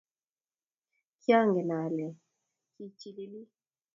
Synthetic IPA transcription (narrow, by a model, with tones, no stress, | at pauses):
kja˦ŋɡɛ˨na˨lɛ˨ | ki˨t͡ʃi˨li˦li˦